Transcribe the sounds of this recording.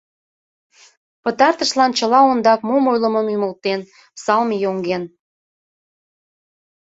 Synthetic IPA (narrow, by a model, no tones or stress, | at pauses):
pət̪ɑrt̪əʃlɑnt͡ɕəlɑond̪ɑkmomojlə̆məmymə̆lt̪en | sɑlmijoŋɡen